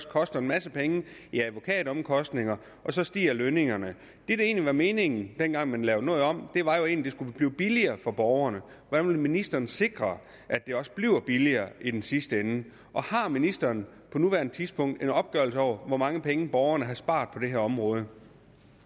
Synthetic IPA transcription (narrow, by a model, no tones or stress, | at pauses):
skʰɒ̽sd̥ɐenmæsəpʰeŋəiæðˠʋo̝kʰɛ̰ːd̥̩ɒ̽mkʰɒ̽sd̥neŋɐ | ʔɒ̽sɒ̽sd̥ḭːɐløne̝ŋɐnə | d̥e̝ɾ̥ee̝̰ːnliʋɑ̈me̝ːne̝ŋn̩d̥enɡ̥ɑ̈ŋ̰mænlɛʊnɔ̽ːð̩ˠɒ̽m̰d̥e̝ʋɑ̈jo̝e̝̰ːnlid̥e̝sɡ̥ub̥liːb̥iliɐːfɒ̽b̥ɒʊɐnə | ʋɒd̥ænʋelminisd̥ɐːnəse̝ɡ̥ʁɐ | ʔæd̥e̝ɒ̽sb̥liʊ̰b̥iliɐːʔid̥ensisd̥əen | ʔɒ̽hɑ̈minisd̥ɐːnpʰɒ̽nuʋæɐnət͡sʰiðˠspʰɔ̽ŋ̰d̥e̝nɒ̽b̥̚ɡ̥œɐlsəɒ̰ʊ̰ɐʋɒmɑ̈ŋəpʰeŋəb̥ɒʊɐnəɦæsb̥ɑ̰̈ːd̥̚ˠpʰɒ̽d̥e̝ɦæɐɒ̽mʁɔ̽ːð̞ˠə